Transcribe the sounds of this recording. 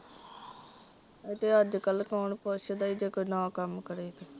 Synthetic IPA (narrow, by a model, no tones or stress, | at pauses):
et̪eːəd͡ʒkəlːkaːɳpoʃəd̪aːiːd͡ʒeːkonãːkəmkəɾeːt̪e